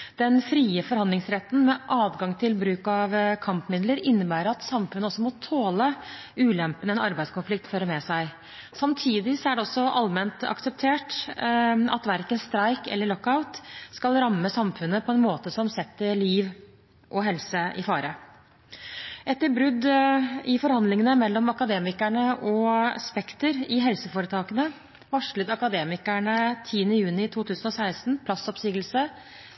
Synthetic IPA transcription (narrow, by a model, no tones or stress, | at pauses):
d̪̥ɛnfɾiːəfɔɾhɑnd̪ɪŋsɾɛt̪ːn̩mɛʔɑːdɡɑŋt̪ʰɪlbɾʉːkɑʋkʰɑmpmɪd̪ləɾɪnːəbæːɾəɑt̪sɑmfʉnəɔsːɔmɔt̪ʰoːlə | ʉːlɛmpənəɛnɑɾbæɪd̪skʊnflɪkt̪føːɾəmɛsæɪ | sɑmt̪ʰiːd̪ɪsɔæɖɛɔsːɔʔɑlmɛnt̪ɑ̰ksəp̚t̪ʰeːʈ | ɑ̰t̪ʋæɾkənst̪ɾæɪkɛ̰lːəɭɔkaʊt̪skɑlɾɑmːəsɑmfʉnːəpʰɔɛnmoːt̪əsɔmsɛt̪ːəliːʋ | ʔɔɦɛlsəɪ̰fɑːɾə | ɛt̪ːəɾbɾʉd̪ːɪfɔɾhɑnd̪lɪŋənəmɛlːɔmɑkɑd̪eːmɪkæɳəʔɔspɛkt̪əɾɪɦɛlsəfoːɾət̪ʰɑːkənə | ʋɑʂɭəd̪ɑkɑd̪eːmɪkæɳət̪ʰiːənəjʉːnɪt̪ʰuːt̪ʰʉːsənɔsæɪst̪n̩pʰlɑsɔpsyːɡəlsə